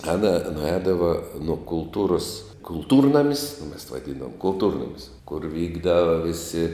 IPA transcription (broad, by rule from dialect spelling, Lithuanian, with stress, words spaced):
ˈɑːnɐ nʊˈɛːdɐʋɐ nuɔ kʊlˠˈtuːrʊs kʊlˠˈtuːrnɐmʲɪs oː mʲɛs ʋɐˈdʲiːndɐʋoːm kʊlˠˈtuːrnɐmʲɪs kʊr ˈʋʲiːɡdɐʋɐ ˈʋʲɪsʲɪ